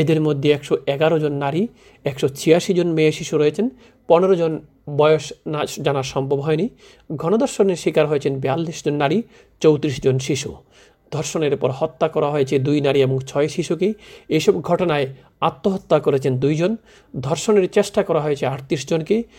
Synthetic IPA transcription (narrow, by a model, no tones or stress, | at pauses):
ed̪eɾmod̪ʱːeɛkʃoɛɡaɾod͡ʑonːaɾi | ɛkʃot͡ɕʰijaʃid͡ʑonmeeʃiʃuɾɔjet͡ɕʰen | pɔneɾod͡ʑon | bɔjoʃnd͡ʑanaɾʃɔmbʱobɦɔeni | ɡʱɔnod̪ʱɔɾʃoneɾʃikaɾɦojet͡ɕʰenbɛalːiʃd͡ʑonːaɾi | t͡ɕowt̪ɾiʃd͡ʑonʃiʃṵ | d̪ʱɔɾʃoneɾpɔɾhɔt̪ːakɔɾaɦojet͡ɕʰed̪ujnaɾieboŋt͡ɕʰɔeʃiʃukeejʃɔbɡʱɔʈonae | at̪ːoɦot̪ːakoɾet͡ɕʰend̪ujd͡ʑon | d̪ʱɔɾʃoneɾt͡ɕeʃʈakɔɾaɦojet͡ɕʰeaʈt̪iʃd͡ʑonke